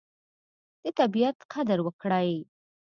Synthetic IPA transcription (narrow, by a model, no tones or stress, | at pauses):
d̪̥ət̪abijat̪qʰad̪əɾwəkɽaj